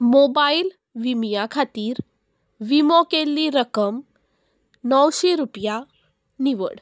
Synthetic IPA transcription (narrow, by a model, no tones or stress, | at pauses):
mobail | ʋimijakʰat̪iːɾ | ʋimokelːiɾəkəm | nɔwʃeɾupja | niʋə̰ɽ